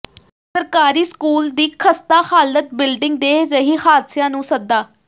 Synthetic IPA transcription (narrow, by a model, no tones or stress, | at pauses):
səɾkaːɾiːskuːld̪iːkʰəst̪aːxaːlət̪̚bɪlɖɪŋɡ̚d̪eːzəɦiːxaːd̪sjãːnũːsəd̪ːaː